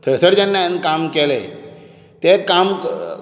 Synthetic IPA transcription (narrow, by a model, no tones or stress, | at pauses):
t̪ʰəsəɽd͡ʑənːaẽnkamkelḛ | t̪ekam